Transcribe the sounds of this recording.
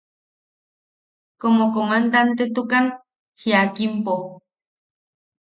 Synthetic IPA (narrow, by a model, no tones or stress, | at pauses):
komokomand̪ant̪et̪ukan | hiakimpo